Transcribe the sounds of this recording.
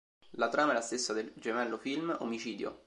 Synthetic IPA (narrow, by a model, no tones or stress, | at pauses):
lat̪ɾaːmaɛlast̪esːad̪eld͡ʒemɛlːofilmo̰mit͡ʃiːd̪jo̰